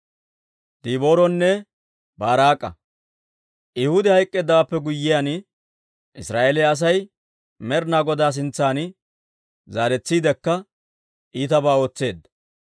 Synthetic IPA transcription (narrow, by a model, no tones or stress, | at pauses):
d̪̥iːbo̞ːɾɔnːɛ | baːɾaːkʼːɐ̰ | ʔɪhʊd̪ɪhɐjkʼːeːd̪ːaapːɛɡʊjːɪjan | ʔɪsɾaːʔelɛɐs̬ɐj | mɛɾnaːɡɔd̪aːs̬ɪnt͡sːaːnɪ | zaːɾɛt͡sːiːd̪ɛkːɐ | iːt̪ɐbaːo̞ːt͡sːe̞ːd̪ːɐ